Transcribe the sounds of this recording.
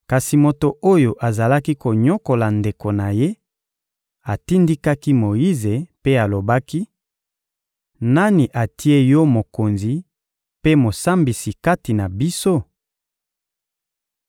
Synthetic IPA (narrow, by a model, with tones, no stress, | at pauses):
ka˨si˨mo˨to˨o˦jo˨ʔa˨za˨la˦ki˦ko˨ɲo˦ko˨la˨nde˨ko˨na˨je˦ | a˨ti˦ndi˦ka˦ki˦mo˨ji˦ze˨pe˦a˨lo˨ba˦ki˦ | na˦ni˨ʔa˨tʰi˦e˦jɔ˦mo˨ko˨nzi˨ | pe˦mo˨sa˦mbi˨si˨ka˦ti˨na˨bi˦so˦